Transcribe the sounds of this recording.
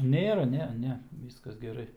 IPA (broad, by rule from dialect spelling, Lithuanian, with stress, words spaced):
ˈnʲeːrɐ ˈnʲɛ ˈnʲɛ ˈʋʲiːskɐs ɡʲɛˈrɐɪ